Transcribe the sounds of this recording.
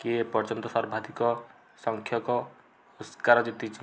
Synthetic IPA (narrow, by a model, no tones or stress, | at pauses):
kiepɔt͡ʃɔnt̪ɔsɔɾbʱad̪ʱikɔ | sɔŋkʰjɔkɔ | uskaɾɔd͡ʒit̪it͡ʃʰi